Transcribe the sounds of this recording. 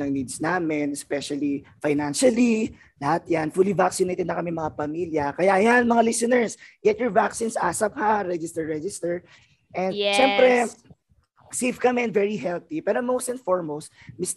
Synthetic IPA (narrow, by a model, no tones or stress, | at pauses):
nɐŋniːd̪snaːmɛnɛspɛʃɐlifajnanʃɐli | lɐhat̪̚janfulivaksɪnejt̪ɛd̪nɐkɐmɛmɐŋapɐmiljɐkɐjaʔɐjanmɐŋalisɪnɛɹsɡɛt̪jɔɹvaksĩnsʔasɐp̚haɾɛd͡ʒɪst̪ɛɹɹɛd͡ʒɪst̪ɛɹ | ʔɛ̃nd̪ʃɛmpɾɛ | sevkɐmɛɛ̃nd̪vɛɹiɦɛlt̪ipɛːɾomowst̪ɛ̃nfoɹmowst̪̚mis